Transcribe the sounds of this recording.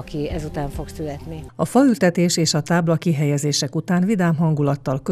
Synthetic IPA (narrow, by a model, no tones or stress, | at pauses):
kiɛzut̪aːɱfo̞ksylɛt̪niɒfɒylt̪ɛt̪eːʃeːʃɒt̪aːblɒkiɦɛjɛzeːʃɛkut̪aːnvid̪aːmɦɒŋɡulɒt̪ːɒlkø